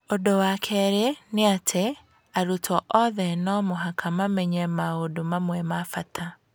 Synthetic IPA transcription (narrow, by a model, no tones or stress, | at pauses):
odowakʰɛɾeneatʰe | aɾutʰɔʔɔðɛnɔmoɦakʰamamɛɲɛmaodomamwɛmafatʰa